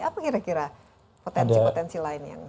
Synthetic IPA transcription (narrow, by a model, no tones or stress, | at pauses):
apakiɾakiɾa | pot̪ɛdsipot̪ɛnsilaɪnja̰ŋ